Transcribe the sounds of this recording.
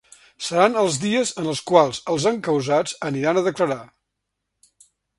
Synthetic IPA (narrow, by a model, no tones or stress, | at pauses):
səɾanəlˠzðiəzənəlˠskwalˠzəlˠzəŋkəwzad͡zəniɾanəðəkləɾa